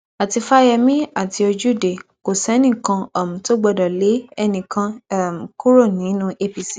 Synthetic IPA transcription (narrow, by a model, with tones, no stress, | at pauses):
a˨ti˧fa˦jɛ˧mĩ˦a˦˨ti˧o˧d͡ʒu˦˨de˨ko˨sɛ˨˦nĩ˦˨kã˧ɔ˨mũ˨to˦ɡ͡bɔ˧dɔ˨le˨˦ɛ˧nĩ˨kã˧˦˨m˨ku˦ɾo˦˨nĩ˨˦nũ˦ʔe˧pi˧si˨